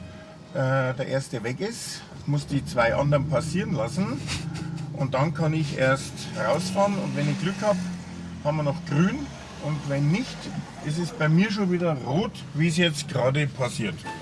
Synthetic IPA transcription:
ʔɛːdeːɐʔeːɐst̚d̥evɛkɪs | mʊsd̥iːt͡sv̥aɪʔɑ̰ndəʁənpʰasiːʁənlasn̩ | ʔʊnt̚d̥ankʰɑnɪçʔḛːɐstʁaʊsfaːʁənʊ̰ntvɛnɪçɡ̥lʏkhaːp | hanmɐnɔχɡ̥ʁyːn | ʔʊntvɛnːɪçtʔɪs̬ɛs̚b̥aɪmiːɐʃoːnviːdɐʁoːt | viːsjɛt͡st̚ɡ̥ʁaːdəpʰasiːɐt

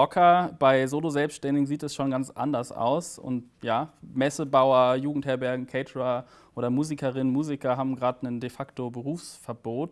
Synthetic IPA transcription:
ɔkʰɐb̥aɪzoːlozɛlpstʃtɛndɪɡŋziːtɛsʃoːnɡant͡sʔa̰ndɐsʔa̰ʊsʊ̰ntjaːmɛsəbaʊɐjuːɡŋ̩thɛːɐbɛɐɡŋ̩kʰɛɪtʁa | ʔoːɾɐmuːzikɐʁɪnənmuːzɪkɐɦaːbm̩ɡʁaːtnəndefaktobəʁuːfsfɛɐboːt

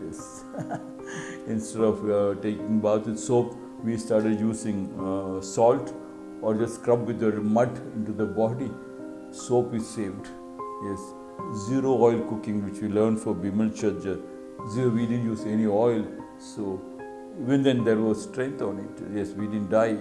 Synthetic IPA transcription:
jɛs | ɪ̃nsʈeɖɔʋʈeːkɪ̃ŋbaʊt̪ɪd̪soːp | ʋiːsʈaːɾʈeɖjuːsɪ̃ŋsɔːlʈ | ɔːɾd͡ʒɐsʈkɾʌ̃pʋɪd̪əɾmʌʈɪ̃ɳʈud̪əbɔɖi | soːpizseːʋɖ | jɛs | ziɾoɔɪlkʊkɪ̃ŋʋɪt͡ʃʋiːləːɾnfɔɾbiməlt͡ʃəd͡ʒɐs | ziɾoʋiɖɪɖn̩juːzeniɔɪl | soː | iːʋə̃nd̪ɛ̃nd̪eɾʋɔzsʈɾɛ̃nt̪ʰɔ̃ːnɪʈjɛsʋiɖɪdn̩ʈɖaɪ

